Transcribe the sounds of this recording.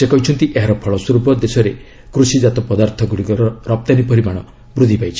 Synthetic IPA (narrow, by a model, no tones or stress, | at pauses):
sekɔɦit͡ʃʰɔnt̪iʔeɦaɾɔpʰɔɭɔsuɾbɔd̪esɔɾe | kɾusid͡ʒat̪ɔpɔd̪aɾt̪ʰɔɡuɽikɔɾɔɾɔp̚t̪anipɔɾibaɽ̃ɔ | bɾud̪ʱipajt͡ʃʰi̥